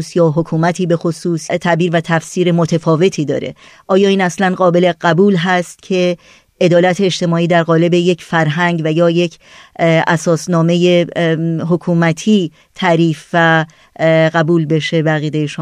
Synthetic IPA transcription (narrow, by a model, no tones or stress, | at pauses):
sjɒːɦokʰuːmæt̪ʰiːbe̞xosuːst̪ʰæbiːɾvæt̪ʰæfsiːɾemot̪ʰefɒːve̞t̪ʰiːd̪ɒ̰ːɾe̞̰ | ʔɒːjɒːiːnæslænɢɒːbe̞le̞ɢæbuːlɦæst̪cʰe̞ | ʔe̞d̪ɒːlæt̪ʰeːʃt̪e̞mɒːiːd̪æɾɣɒːle̞be̞je̞cʰfæɾɦæŋɟvæjɒːje̞cʰ | ʔæsɒːsnɒːme̞jeɦokʰuːmæt̪ʰiː | t̪ʰæɾiːfvæ | ɢæbuːlbe̞ʃe̞beæɣiːd̪ejeʃo